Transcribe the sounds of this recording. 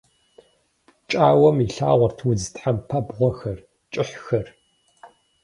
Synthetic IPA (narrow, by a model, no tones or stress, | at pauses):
t͡ʃʼaːwɐmiɬaːʁʷɔrtʰwʊd͡ztʰħampʰɐbʁʷɔxɐr | t͡ʃʼɪħxɐr